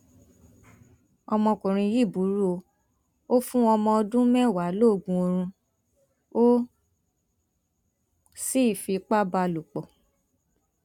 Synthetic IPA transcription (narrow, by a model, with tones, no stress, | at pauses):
ɔ˧mɔ̃˧kũ˨ɾ̃ĩ˧ji˦˨bu˨˦ɾu˦o˧ | o˦fũ˦ɔ˧mɔ̃˧ɔ˧dũ˦mɛ̃˦˨wa˨˦lo˦˨ɡũ˧o˧ɾ̃ũ˧ | o˦ | si˦˨fi˧k͡pa˦ba˧lu˨k͡pɔ˨